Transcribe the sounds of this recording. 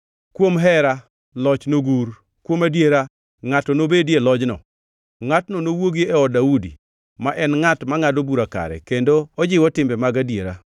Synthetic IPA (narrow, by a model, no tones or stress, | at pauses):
kwomɦɛɾa | lɔt͡ʃnoɡuɾ | kwomadjeɾa | ŋatɔnobedjelɔd͡ʒnɔ̰ | ŋatnɔnowoɡiɛɔdaudḭ | maʔɛnŋatmaŋadobuɾaka̰ɾɛ̰kendoɔd͡ʒɪwɔtɪmbɛmaɡadjeɾa